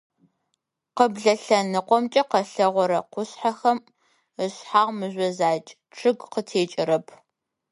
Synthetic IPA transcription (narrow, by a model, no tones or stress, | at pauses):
qəbɮɐɬɐnɨqʷɔmt͡ʃʼɐqɐɬɐʁʷɔɾɐqʷʊɕħaxɐm | əɕħaːʁmɨʑʷɔzaːt͡ʃʼ | ʈ͡ʂʰɨɡqətʰeːt͡ʃʼɪɾɐpʰ